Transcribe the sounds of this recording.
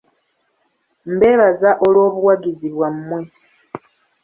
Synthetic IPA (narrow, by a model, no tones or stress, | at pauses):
m̩be̞ːβazaʔolwo̞ːβuwaɡiziβwammwe